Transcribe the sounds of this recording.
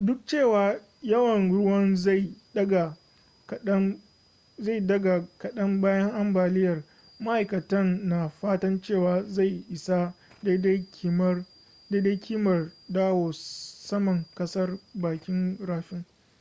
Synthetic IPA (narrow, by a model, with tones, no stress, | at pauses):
dʊ˦k̚t͡ʃeː˦˨waː˨ | jɐ˦wɐ˨nɽʊ˦wɐ˦nza˦˨j | ɐ˦ɡa˨ | kɐ˦ | za˦˨dɐ˦ɡa˨kɐ˨ɗɐ˦mbaː˦jɐ˦ŋʔa˦mbaː˨lɪ˦jɐ˨r | ma˦ʔa˨jkɐ˨tɐ˦nːa˨ɸaː˦tɐ˦nt͡ʃeː˦˨waː˨za˦˨jʔɪ˨sa˦ | da˦da˦kʲi˦m˦ | da˦jda˦jkʲʰiː˦mɐ˨rdaː˦woː˨sɐ˦mɐ˨ŋkɐ˦sɐ˦rbaː˨kʲɪ˦ŋɽaː˦ɸɪ˦ŋ